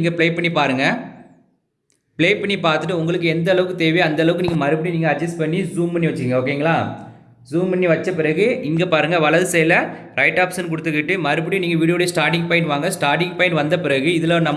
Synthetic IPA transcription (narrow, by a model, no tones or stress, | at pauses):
ŋɡɐpɪɭeːpɐɳːipaːɾɯŋɡɐ | pɪɭeːpɐɳːipaːɾt̪ɯʈ̬ːɯʊŋɡɐɭɯk̬ːɯɛnd̪ɐɐlɐʋɯkːɯt̪eːʋijɐnd̪ɐlɐʋɯkːɯniːŋɡɐmɐɾɯpːɐɽiniːŋɡɐːd͡ʒɐsʈpɐɳːizuːmbɐnːiʋɐt͡ʃːɪɾɪŋɡɐoːk̬ːeŋɡɐɭaː | zuːmpɐɳːiʋɐt͡ʃːɐpɪɾɐɣɯʔɪŋɡepaːɾɯŋɡɐʋɐɭɐðɯsɛjɐlɐ | ɾɐɪʈːaːpsɐnk̬ʊɽɯt̪ːɯkːɪʈːɯmɐɾɯp̬ːɐɽiniːŋɡɐʋiːɽɪjoːɽejɐsʈaːɾʈ̬ɪŋɡ̚pɐɪɳʈʋaːŋɡɐsʈaːɾʈɪŋɡ̚pɐɪɳʈʋɐnd̪ɐpɪɾɐɣɯɪðɯlɐnɐmː